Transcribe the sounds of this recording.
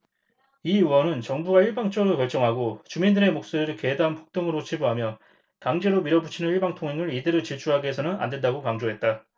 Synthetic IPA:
iuwʌnɯnt͡ɕʌŋbuɡaiɭbaŋt͡ɕ͈ʌɾokjʌɭt͡ɕ͈ʌŋɦaɡot͡ɕumindɯɾe̞mok̚s͈oɾiɾɯɭke̞danpʰo̥k̚t͈oŋɯɾot͡ɕʰibuɦamjʌ | taŋd͡ʑe̞ɾomiɾʌbut͡ɕʰinɯniɭbaŋtʰoŋɦe̞ŋɯɾidɯɾɯt͡ɕiɭt͡ɕʰuɦaɡeesʰʌnɯna̰ndwe̞ndaɡokaŋd͡ʑoɦe̞t̚t͈a

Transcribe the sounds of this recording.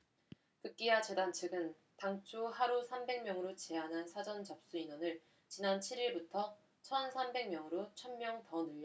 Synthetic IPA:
kɯk͈iat͡ɕe̞dant͡ɕʰɯɡɯn | taŋt͡ɕʰohaɾusʰambe̞ŋmjʌŋɯɾot͡ɕe̞anɦansʰad͡ʑʌnt͡ɕʌp̚s͈uinwʌnɯɭ | t͡ɕinant͡ɕʰiɾiɭbutʰʌ | t͡ɕʰʌnsʰambe̞ŋmjʌŋɯɾot͡ɕʰʌnmjʌŋtʌnuʎja

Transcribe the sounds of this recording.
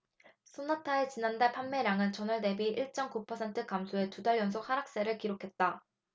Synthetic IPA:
sʰonatʰaet͡ɕinandaɭpʰanme̞ɾaŋɯnt͡ɕʌnɯɭne̞biʔiɭt͡ɕ͈ʌmkupʰʌsʰe̞ntʰɯkamsʰoe̞tudaɭjʌns̬ʰok̚haɾak̚s͈e̞ɾɯɭkiɾokʰe̞t̚t͈a

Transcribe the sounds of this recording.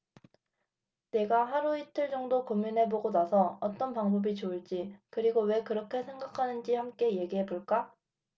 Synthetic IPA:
ne̞ɡaɦaɾuitʰɯɭd͡ʑʌŋdokomunɦe̞boɡonasʰʌʌt͈ʌnpaŋbʌbit͡ɕouɭt͡ɕ͈ikɯɾiɡowe̞kɯɾʌkʰe̞sʰe̞ŋɡakʰanɯnd͡ʑihamk͈e̞je̞ɡiɦe̞boɭk͈a

